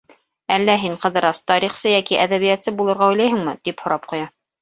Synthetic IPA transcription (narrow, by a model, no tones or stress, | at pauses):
ælːæɦiɴqɤ̆ðɤ̆ɾɑst̪ɑɾiχsɤjækiʔæðæβijæt̪sɘbulˠɤ̆ɾʁɑɵ̆jlæjɦɘ̆ŋmɘt̪iphŏɾɑp̚qŏjɑ